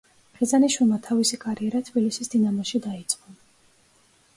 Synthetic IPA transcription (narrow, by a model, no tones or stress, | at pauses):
χizaniʃwilˠmat̪ʰavisikʼaɾiɛɾat̪ʰbilisisd̪inamɔʃid̪ait̪sʼqʼɔ